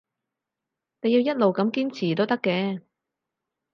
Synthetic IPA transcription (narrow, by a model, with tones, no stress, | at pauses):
ne˨˧ji˧wjɐ˥t̚lo˨wkɐ˨˥mkiː˥mt͡sʰiː˨˩t̪o˥wt̪ɐ˥kːɛː˧